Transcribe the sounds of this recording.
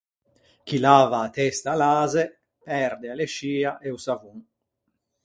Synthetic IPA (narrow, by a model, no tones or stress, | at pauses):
k̟ilaːvaːt̪ɛst̪aːlaːze | pɛɾd̪ealeʃiːaʔeusavuŋ